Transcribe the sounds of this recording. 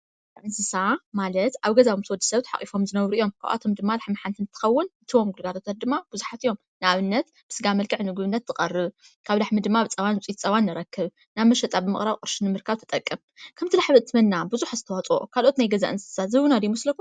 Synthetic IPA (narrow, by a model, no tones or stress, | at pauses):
ɡ | zaʔɨnsɨsamalɐt̪ʔaβɡɐzaβomt̪ɨwɔd̪ːi̥sɐβt̪ħa̰χʼifo̞mzɨnɐβɾuʔijo̞mkʰa̰βʔa̰t̪ʰo̞md̪ɨmːalaħmħant̪ʰɨnɨt̪ʰɨ̥xɐwːʊnʔɨt̪ʰiwo̞mɡulɡat̪ʰot̪ʰat̪̚d̪ɨmːab̥uzuħat̪ijo̞m | nɨʔaβɨnːɐt̪ | b̥ɨ̥sɨɡamɐlkʰɨʕnɨɡβɨnːɐt̪zɨqʼɐrɨβ | kʰaβlaħmid̪ɨmːabɨt͡sʼɐwanwɨt͡sʼit̪t͡sʼɐwanːɨɾɐkʰːɨβ | naβmɐʃɐt̪ʼabɨmɨ̰χʼɾaβkʼɨɾʃinɨmɨɾkʰaβt̪ʰɐt̪ʼɐkʼːɨm | kʰɐmt̪ʰɨlaħβɨɨt̪ʰːɨmɐnːabuzuħazɨt̪ʰɐwat͡sʼo̰kʰalʔo̞t̪najɡɐza̰ʔɨnsɨ̥sazɨβunad̪ijmɐslɐkʰːum